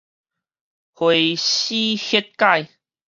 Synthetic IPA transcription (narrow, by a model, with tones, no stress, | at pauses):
hwe˨ɕi˦hi˦t̚ka˥˧j